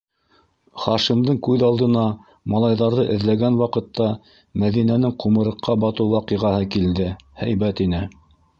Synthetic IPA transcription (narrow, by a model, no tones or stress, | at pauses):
χɑʃimd̪ɤɴkʉðɑlˠd̪ɤ̆nɑ | mɑlˠɑjðɑɾðɤʔɘ̆ðlæɡænwɑqɤ̆t̪ːɑ | mæðinænɘŋqumɤ̆ɾɤ̆qːɑbɑt̪ɤwwɑqɤʁɑhɤkild̪ɘhæjbæt̪inɘ